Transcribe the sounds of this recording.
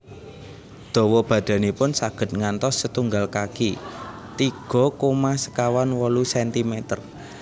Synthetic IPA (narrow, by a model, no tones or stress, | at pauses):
d̪̥ɔ̤wɔb̥ä̤d̪̥a̤nipʊnsaɡ̥ə̤t̪̚ŋant̪ɔsːət̪uŋɡalkakit̪iɡ̥ɔ̤komasə̥kawanwɔlusɛnt̪imet̪ər